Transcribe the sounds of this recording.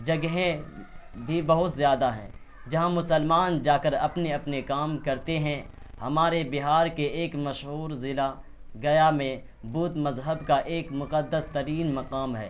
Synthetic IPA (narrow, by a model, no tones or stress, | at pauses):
d͡ʒɐɡɦẽ | bʱibɐɦʊt̪zjaːd̪aɦɛ̰̃ː | d͡ʒɐɦãmʊsəlmaːnd͡ʒaːkəɾɐpneɐpnekaːmkɐɾt̪eɦɛ̃ | hɐmaːɾebɪɦaːɾkeeːkmɐʃɦuːɾzɪla | ɡɐjamẽ | buːt̪mɐzɦəbkaʔeːkmʊqəd̪ːəst̪ɐɾiːnmɐqaːmɦɛ̰ː